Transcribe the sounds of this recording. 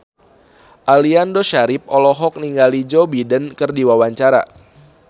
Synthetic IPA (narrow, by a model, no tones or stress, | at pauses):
ʔaliandoʃaɾɪp̚ɔlɔɦɔk̚niŋɡalid͡ʒɔbidənkɨrdiwawaɲt͡ʃaɾa̰